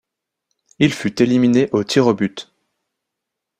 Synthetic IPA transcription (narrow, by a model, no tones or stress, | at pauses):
ilfyt̪elimineʔot̪ʰiʁɔbyt̪